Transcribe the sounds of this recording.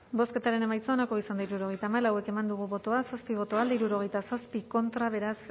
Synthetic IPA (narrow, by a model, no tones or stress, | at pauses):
bo̞ske̞t̪aɾe̞ne̞majt͡soonako̞isand̪aiɾuɾo̞ɣe̞jt̪aːmalawe̞ke̞mand̪uɣ̞uβo̞t̪o̞asaspiβ̞o̞t̪o̞ald̪aiɾuɾo̞ɣ̞e̞jt̪asaspiko̞nt̪ɾaβ̞e̞ɾas